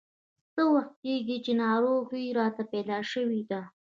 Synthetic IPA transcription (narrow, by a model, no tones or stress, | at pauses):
səwəx̚keɡit͡ʃenɑɾoɣiɾɑt̪apelɑʃəwid̪a